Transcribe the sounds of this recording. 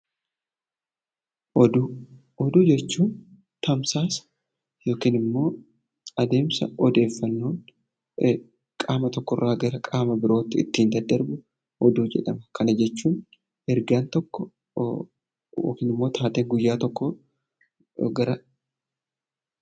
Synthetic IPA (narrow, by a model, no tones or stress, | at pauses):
ɔd̪ | ɔd̪ud͡ʒɛt͡ʃːuːn | t̪ɐmsaːs | jo̞ːkiːnɪmːo̞ː | ɐd̪e̞ːmsɐ̰ɔd̪e̞ːfːɐnːoːn | kʼaːmɐt̪ɔkːɔrːaːɡɐɾɐkʼaːmɐbɪɾo̞ːt̪ːɪɪ̰t̪ːiːnd̪ɐd̪ːɐɾbʊ | hɔd̪uːd͡ʒɛ̰ᶑɐmɐkʰɐnɐd͡ʒɛt͡ʃːuːn | ɛɾɡaːnt̪ɔkːɔ | jo̰ːkiːnɪmːo̞ːt̪ʰaːt̪eːŋɡʊjːaːt̪ɔkːɔ | ɡɐɾɐ